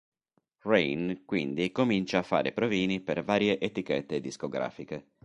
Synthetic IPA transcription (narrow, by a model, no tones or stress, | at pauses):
rejnkwind̪ikomint͡ʃaːfːa̰ːɾʔḛpɾoviːnipervaːɾjeʔet̪ikɛt̪ːed̪iskoɡɾa̰ːfike